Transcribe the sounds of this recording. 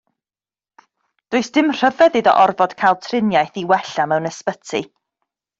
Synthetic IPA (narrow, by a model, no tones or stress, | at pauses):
d̥ʊːɨsd̥ɪmr̥əvɛðɪdɔ̰ʔɔrvɔd̥kʰajlˠtʰrɪnjajθiwɛɬamɛwnɛspətʰḭ